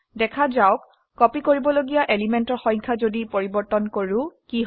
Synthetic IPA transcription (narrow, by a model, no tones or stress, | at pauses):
dɛkʰazawkː | ɔpikoɹibɔloɡijaʔelimɛntɔɹxɔ̃jŋkʰazodipoɹibɔɹtɔnkoɹʊkiɦ